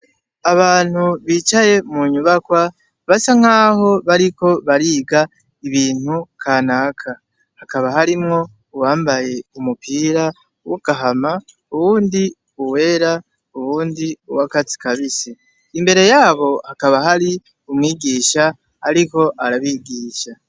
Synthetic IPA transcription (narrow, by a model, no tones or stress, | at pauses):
aβaːn̥huβiːt͡ʃaje̞muɲuβakwa | βasaŋ̥aːho̞βaɾiko̞βaɾiːɡa | iβiːn̥hukʰaːnaːkʰa | hakaβaɦaɾimŋo̞ | uwaːmbaje̞umupʰiːɾa | wuɡ̥aɦama | uβuːndi | uwe̞ɾa | uβuːndiuwakat͡si̥kaβisi | imbe̞ɾe̞jaːβo̞hakaβaɦaɾi | umŋiːɡiːʃa | aɾiko̞ʔaɾaβiːɡiːʃa